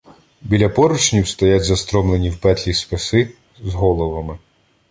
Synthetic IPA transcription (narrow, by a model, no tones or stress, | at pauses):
bʲilʲɐpɔɾʊt͡ʃnʲiwst̪ɐjatʲzɐst̪ɾɔmlˠenʲiwpɛt̪ʲlʲispɪsɪ | zɦɔlˠɔʋɐmɪ